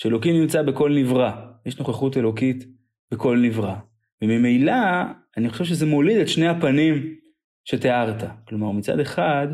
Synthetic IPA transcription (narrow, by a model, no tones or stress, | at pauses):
ʃeelo̞kimnimt͡sabeko̞lnivʁajeʃno̞χaχute̞lo̞kit | beko̞lnivʁa | vemimejlaː | niχo̞ʃe̞vʃ̬eze̞molidetʃnejhapanim | ʃe̞teaʁtaklo̞maʁmit͡sa̰de̞χad